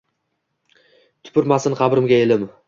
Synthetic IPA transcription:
t̪ʰʊ̥pʰɪɾmasɪnqʰɑbɾɪmɡʲae̞lɪm

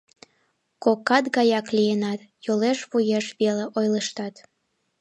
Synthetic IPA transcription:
kokːɑt̪ɣɑjɑklijenɑt̪ | joleʃβujeʃβeleʔojləʃt̪ɑt̪

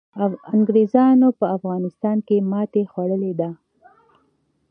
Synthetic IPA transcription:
aŋɡɾezɑnopəafɣɑnɪst̪ɑnkemɑt̪exwaɽəled̪a

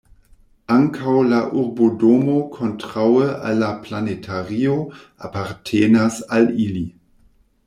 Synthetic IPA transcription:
ʔaŋkʰawlaʔuʁbodomokʰontʁawəʔa̰lːaplanetʰaʁio | apaʁtʰeːnasalili

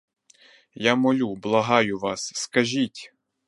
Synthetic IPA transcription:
jamɔlʲublˠɐɦɑjʊʋɑsːkɐʒʲitʲ

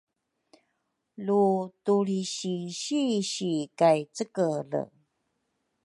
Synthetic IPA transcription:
lutuɾiɕiɕiɕikajt͡səkələ̰

